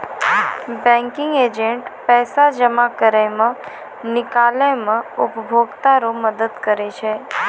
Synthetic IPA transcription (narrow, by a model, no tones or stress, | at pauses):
bɛ̃ŋkɪŋɡed͡ʒẽɳʈpɛːsad͡ʒəmakəɾemə̃ | nɪkalemə̃ʊpbʱoɡt̪aɾoməd̪əd̪kəɾet͡ʃʰe